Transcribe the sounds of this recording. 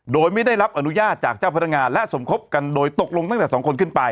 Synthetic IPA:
doː˧jma˥˩jda˥˩jɾa˦˥pʔa˧nu˦˥jaː˥˩t̪̚t͡ɕaː˨˩k̚t͡ɕaː˥˩wpʰa˦˥a˥ŋaː˧nlɛ˦˥ʔso˩˦mkʰo˦˥p̚ka˧ndoː˧jt̪o˨˩k̚lo˧ŋt̪a˥˩ŋt̪ɛː˨˩ɔː˩˦ŋkʰo˧nkʰɯ˥˩npa˧j

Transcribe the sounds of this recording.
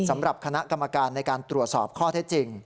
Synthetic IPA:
sa˩˦mɾa˨˩p̚kʰa˧na˦˥ʔka˧mːa˧kaː˧nːa˧jkaː˧nt̪ɾu˨˩ət̪̚sɔː˨˩p̚kʰɔː˥˩t̪ʰe˦˥t̪̚t͡ɕi˧ŋ

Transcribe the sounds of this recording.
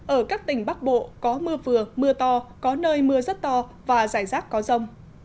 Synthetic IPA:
ʔəː˧˩kaː˦˥k̚t̪ï˧˩ŋ̟ɓa˦˥k̚ɓo̰˧˨kɔ˨˦mɨ˧əvɨ˨˩əmɨ˧ət̪ɔ˧kɔ˨˦nəː˧jmɨ˧əzt̚t̪ɔ˧vaː˨˩zaː˧˩jzaː˦˥t̚kɔ˨˦zə˧wŋ͡m

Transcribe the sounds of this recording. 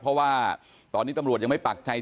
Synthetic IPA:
pʰɔ˦˥waː˥˩ | t̪ɔː˧nːiː˦˥t̪a˧mɾu˨˩t̪̚ja˧ma˥˩jpaː˨˩k̚t͡ɕʰa˧j

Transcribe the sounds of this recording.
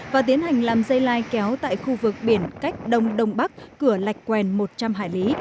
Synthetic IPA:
vaː˨˩t̪i˨˦ənha˨˩jŋ̟laː˨˩mzə˧jlaː˧jkɛ˨˦wt̪a̰ː˧˨jxu˧vɨ˨˩k̚ɓi˧˩ənka˦˥jk̟̚ɗə˧wŋ͡mɗə˧wŋ͡mɓa˦˥k̚ːɨ˧˩əla˨˩jk̟̚kwɛ˨˩nmo˨˩t̚t͡ɕa˧mɦa̰ː˧˨jli˨˦

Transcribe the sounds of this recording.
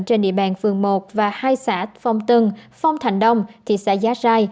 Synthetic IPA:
nt͡ɕe˧nɗḭ˧˨əɓa̰ː˧˨nfɨ˨˩əŋmo˨˩t̚vaː˨˩haː˧jsaː˧˥t̚fɔ˧wŋ͡mt̪ɨ˧ŋfa˧wŋ͡mt̪ʰa˨˩jŋ̟ɗə˧wŋ͡mt̪ʰi˨˩sɛ̰˧˥zaː˨˦˥zaː˧j

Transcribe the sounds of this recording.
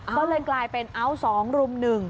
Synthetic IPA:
kɔː˥˩lɤː˧jklaː˧jpe˧nʔa˦˥˩wsɔː˩˦ŋɾu˧mnɯ˨˩ŋ

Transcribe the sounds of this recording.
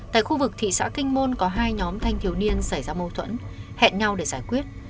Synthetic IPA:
t̪a̰ː˧˨jxu˧vɨ˨˩k̚t̪ʰḭ˧˨sa̰ː˧˥kï˧ŋ̟mo˧nkɔ˨˦ɦaː˧jɲɔ˨˦mt̪ʰa˧jŋ̟t̪ʰi˨˩əwni˧ənsa˧˩jzaː˧mo˧wt̪ʰwə̰˧˥nhɛ̰˧˨nɲa˧wɗe˧˩zaː˧˩jkwi˦˥ət̚

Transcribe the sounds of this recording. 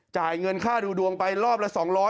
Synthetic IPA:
t͡ɕaː˨˩jŋɤ˧nkʰaː˥˩duː˧du˧əŋpa˧jɾɔː˥˩p̚la˦˥sɔː˩˦ŋɾɔː˦˥

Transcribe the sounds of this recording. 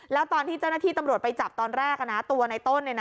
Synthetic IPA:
lɛː˦˥wt̪ɔː˧nt̪ʰiː˥˩t͡ɕa˥˩naː˥t̪ʰiː˥˩t̪a˧mɾu˨˩ət̪̚pa˧jt͡ɕa˨˩p̚t̪ɔː˧nɾɛː˥˩k̚ʔa˧˩na˦˥t̪u˧ɐna˧jt̪o˥˩nlna˦

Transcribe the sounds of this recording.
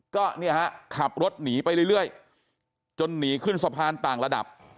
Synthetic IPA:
kɔː˥˩ni˥˩ɐha˦˥kʰa˨˩p̚ɾo˦˥t̪̚niː˩˦pa˧jɾɯ˥˩jɾɯ˥˩əj | t͡ɕo˧nːiː˩˦kʰɯ˥˩nsa˧pʰaː˧nt̪aː˨˩ŋla˧da̰˨˩p̚

